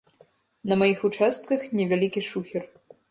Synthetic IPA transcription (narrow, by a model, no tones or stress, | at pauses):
nɐmajixut͡ʂast̪̚kɐxnʲɛvʲalʲikʲiʂuxʲɛr